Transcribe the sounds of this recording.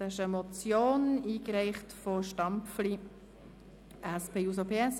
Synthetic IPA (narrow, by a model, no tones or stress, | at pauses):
haʃəmɔt͡sjoːniːkɾɛɪχtfɔʃtɑmpfli | ʔæspeːus̬opʰeːɛs